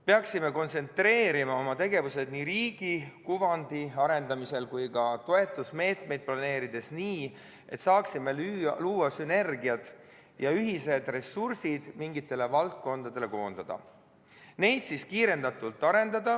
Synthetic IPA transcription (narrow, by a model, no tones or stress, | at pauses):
peɑksime̞ko̞nse̞nt̪re̞ːɾimɑo̞mɑt̪e̞ɡe̞vuse̞d̪̥niɾiːɡ̥ikuvɑnd̪̥iɑɾe̞nd̪ɑmise̞lkujkɑt̪o̞e̞t̪ːˑusme̞ːt̪ˑme̞jd̪̥̚plɑne̞ːɾid̪̥e̞sniː | e̞̰t̪sɑːksimeluːwɑsyne̞rɡiɑd̪ | jɑyɦise̞d̪re̞sursid̪̥miŋɡit̪ːˑe̞le̞vɑlt̪̚ko̞nd̪̥ɑd̪̥ele̞ko̞ːnd̪̥ɑd̪̥ɑ̰ | ne̞jd̪siskiːɾe̞nd̪ɑt̪ːˑult̪ːˑɑɾe̞nd̪ɑd̪̥ɑ